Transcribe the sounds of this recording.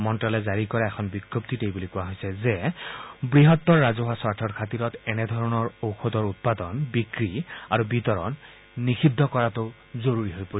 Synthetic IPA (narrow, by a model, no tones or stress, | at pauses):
mɔntɹalɛzaɹikɔɹaɛkʰɔnbiɡjop̚t̪itejbulikʊwaɦojsɛzɛ | bɹiɦɔt̪ːɔɹːazɔɦasɔɹtʰɔɹkʰatiɹɔtɛnɛd̪ʱɔɹɔnɔɹowxodɔɹut̚padɔnbikɹiaɹubitɔɹɔnː | ixidʱːɔkɔɹato | zoɹuɹiɦojpoi